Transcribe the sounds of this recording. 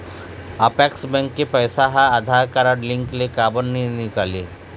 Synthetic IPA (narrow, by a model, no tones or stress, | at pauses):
ɐpɛːksbɛ̃ŋkːepɛːsaɦãɐd̪ʱaːɾkaɾaɖlɪ̃ŋklekaːbənːinɪkaːleː